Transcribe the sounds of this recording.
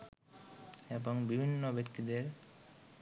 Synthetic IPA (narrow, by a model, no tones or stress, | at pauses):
eboŋbibʱinːobekt̪id̪eɾ